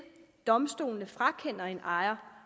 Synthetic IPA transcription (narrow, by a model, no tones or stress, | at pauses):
d̥ɒ̽msd̥o̝̰ːlnəfʁɑ̈kʰen̰ɐe̝nʔɑ̈ɪɐ